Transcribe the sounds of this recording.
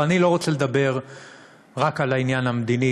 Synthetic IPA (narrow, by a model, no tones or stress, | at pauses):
anilo̞ʁot͡sele̞d̪abe̞ʁ | ʁakalainjanhamed̪ini